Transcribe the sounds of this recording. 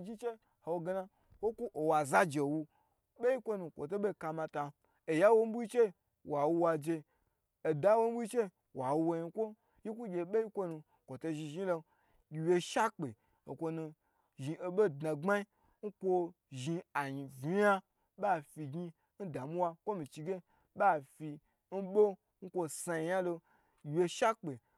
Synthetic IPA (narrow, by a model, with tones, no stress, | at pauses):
d͡ʒi˦t͡ʃe˦ | ho˨˧wo˧ɡe˧na˧ | wo˦ku˦ʔo˨wa˨za˦d͡ʒe˨wu˧ | ɓe˦ji˦kʷo˦nu˧kʷo̰˨to˦ɓe˦˨ka˧mã˧ta˧ | e˨ja˦wo˧m̩˦bu˦i˦t͡ʃe˦ | wa˨wu˧wa˧d͡ʒe˧ | o˨da˦wo˦m̩˦bu˦i˦t͡ʃe˦ | wa˨wu˧wo˧ɲi˧kʷo˦ | ji˦kʷu˦ɡʲe˧ɓe˦ji˦kʷo˧nu˧ | kʷo˨to˧ʒi˧ʒi˦lo˧ | ɡʲi˧wje˧ʃa˦k͡pe˨ | o˨kʷo˧nu˧ | ʒi˧e˧ɓo˦dna˨ŋ͡ma˦i˦ | ŋ̩˦kʷo˧ | ʒi˧a˨ɲi˨vi˨ja˦ | ɓa˦˨fi˧ɡi˧ | n̩˦da˨mu˦wa˧kʷo˦mĩ˨t͡ʃi˧ɡʲe˦ | ɓa˦˨fi˧ | n̩˦ɓo˦ | ŋ̩˦kʷo˧sa˧ji˧ja˦lo˧ | ɡʲi˧wje˧ʃa˦k͡pe˨